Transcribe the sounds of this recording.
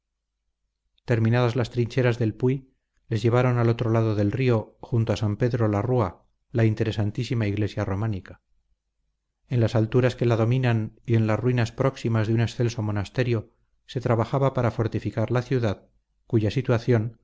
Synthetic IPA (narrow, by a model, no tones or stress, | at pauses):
t̪e̞ɾmĩnaðazlast̪ɾiɲʲt͡ʃe̞ɾazðe̞lpwui | le̞zʝe̞β̞aɾo̞nalo̞t̪ɾo̞laðoðe̞lrioxunt̪oasampe̞ðɾolarua | laint̪e̞ɾe̞sant̪isimaiɣle̞sjaro̞manikḁ | e̞nlasalt̪uɾaske̞laðo̞mĩnanie̞nlarwinaspɾo̞ksimazðeunesθe̞lso̞mo̞nast̪e̞ɾjo̞ | se̞t̪ɾaβaxaβapaɾafo̞ɾt̪ifikaɾlaθjuðað | kuʝasit̪waθjo̞n